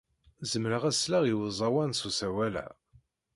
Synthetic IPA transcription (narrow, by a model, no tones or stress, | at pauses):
zəmɾəʁæslaʁiwəzˤɑwænsusæwælæ̰